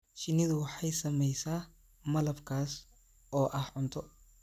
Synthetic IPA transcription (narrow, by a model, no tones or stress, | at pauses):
ʃɪnɪðʊwɑħɑjsɐmɛjsaː | mɐlɐbkʰaːs | ɔːʔɐhʕʊnt̪ʰɔ